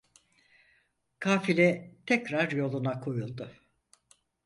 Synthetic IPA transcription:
kʰaːfilʲɛt̪ʰɛcɾaɾjo̞lˠunakʰo̞julˠd̪ʊ

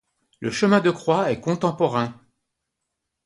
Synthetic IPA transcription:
ləʃəmɛ̃d̪əkχwaɛkɔ̃t̪ɑ̃pɔʁɛ̃

